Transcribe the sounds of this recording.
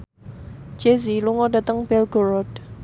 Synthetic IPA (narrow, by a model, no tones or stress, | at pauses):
d͡ʒ̥eziluŋɔɖa̤t̪əŋbɛlɡ̥oɾɔd̥